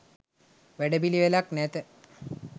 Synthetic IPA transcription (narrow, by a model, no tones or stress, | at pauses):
ʋæɖəbiliʋelaknæt̪ə